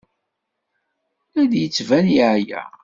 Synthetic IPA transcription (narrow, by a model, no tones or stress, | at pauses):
æd̪jət͡sːvænjəʕjæ̰